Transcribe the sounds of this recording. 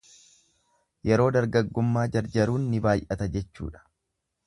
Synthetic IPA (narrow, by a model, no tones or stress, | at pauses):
jɛɾo̞ːd̪ɐɾɡɐɡːʊmːaːd͡ʒɐɾd͡ʒɐɾuːnːɪbaːjʔɐt̪ɐd͡ʒɛt͡ʃːṵːᶑɐ̥